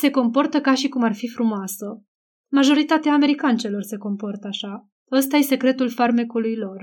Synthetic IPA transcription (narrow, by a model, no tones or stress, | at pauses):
se̞ko̞mpo̞rt̪əkaʃikumarfifɾumoasə | maʒo̞ɾit̪at̪eaːme̞ɾikant͡ʃe̞lo̞rse̞ko̞mpo̞rt̪əaʃa | əst̪aje̞se̞kɾe̞t̪ulfarmekulujlo̞r